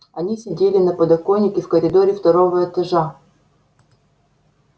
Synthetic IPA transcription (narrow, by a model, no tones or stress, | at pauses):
ɐnʲisʲɪdʲelʲɪnɐpəd̪ɐkonʲːɪkʲɪfkəɾʲɪd̪oɾʲɪft̪ɐɾovəɛt̪ɐʐa